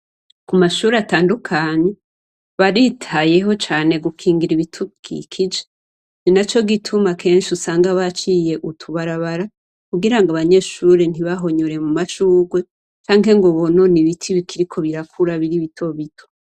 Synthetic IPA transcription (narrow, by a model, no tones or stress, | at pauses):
kumaʃuːɾeataːndukʰaːɲe̞ | βaɾitʰaje̞ɦo̞t͡ʃaːne̞ɡukʰiːŋɡiɾiβitʰukḭkʰid͡ʒe̥ | ninat͡ʃo̞ɡitʰumakʰe̞ːnʃiusaːŋɡaβat͡ʃije̞ʔutʰuβaɾaβaɾa | kuɡiɾaŋɡaβaɲe̞ʃuːɾen̥iβaɦo̞ɲoɾe̞mumaʃuːɡwe | t͡ʃaːŋɦe̞ŋɡoβononiβitʰiβikʰiɾikʰo̞βiɾakʰuɾaβiɾiβitʰo̞βitʰo̞̥